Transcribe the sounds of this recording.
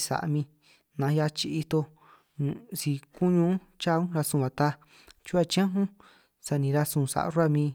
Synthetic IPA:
sa̰˨ʔmĩ˧ | nã˨˦ja˧t͡ʃi˧i˧t̪o˧ | nṵ̃˨si˧ku˦ɲũ˧˦ | t͡ʃa˦˧ũ˦˧ɾa˧sũ˧βã˨t̪a˧ | t͡ʃu˦a˦˧˨t͡ʃã˦ɦũ˦ | sa˧nĩ˨˧ɾa˧sũ˧˨sa̰˨ʔɾu˦a˦˧˨mĩ˧

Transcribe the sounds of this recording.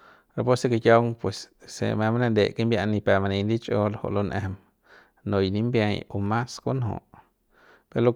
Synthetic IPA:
ɾa˧po˦se˧ke˧kja˧wŋpwe˨ssḛ˧˨mẽ˧ma˦nã˧nd̪e˧˨ke˦mbʲja˧nĩ˧pe˧˨ma˧nẽ˧nd̪i˦t͡ʃʼo˧lo˧ho̰˧ʔlo˧nʔḛ˧m | nõ˧jnĩ˧mbja˧jo˧mã˦sko˦nɦõ̰˧˨ʔ | pe˧ɾlo˧

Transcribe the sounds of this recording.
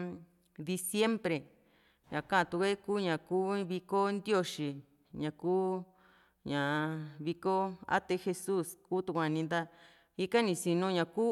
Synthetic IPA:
d̪i˧sje˦mbɾe˨ | ɲã̰˨kã˦˧t̪u˧kʷe˦ku˦ɲã˨kuː˦βi˧ko˦nd̪jo˦ʂi˨ | ɲã˨kuː˦ | ɲã˨βi˧ko˦a̰˦t̪e˧xe˧su˦skuː˦t̪u˧kʷã˨nĩ˧nd̪a˧ | i˦ka˦nĩ˧si˧nũ˧ɲã˨ku˦

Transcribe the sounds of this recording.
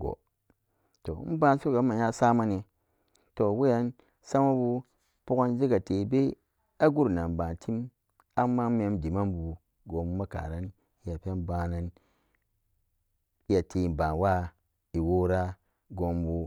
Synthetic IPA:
ɡo̰˨ | to˨˦m̩˦ba˦n˦su˦ɡa˨˦mːa˨ja˦sa˦ma˦ne˨ | to˨we˦ja˦n | sa˦ma˦bu˦ | pu˦ka˦nd͡ʒi˦ɡa˨te˨be˦ | a˦ɡu˦ɾna˨nba˨tʰi˦m | a˦mːa˦me˨˦mdi˨ma˦mbu˨ | ɡo˨mbu˦ma˦ka̰˨ɾa˦n | i˦ja˨pe˦n˦ba˨na˦n | i˦a˨tʰe˨ba˨nwa˦ | i˨wo˦ɾa˦ | ɡo˨m˦bu˦

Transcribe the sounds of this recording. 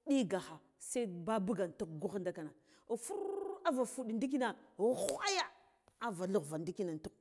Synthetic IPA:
ɗi˦ɡa˨xa˨ | sa˦ba˦bu˦ɡa˨n˨tu˦kɡu˦xnda˦ka˨na˨ | fu˦ɾa˦va˨fu˦ɗi˨ndi˦k̬i˦na˨u˦xʷa˦ja˦ | a˦va˨lu˦ɣva˨ndi˦ki˦na˨n˨tu˦k̚

